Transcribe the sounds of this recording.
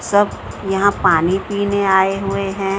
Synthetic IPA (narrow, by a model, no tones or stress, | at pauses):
sɐb | jɐɦãpaːnipiːneaːeɦʊeɦɛ̃ː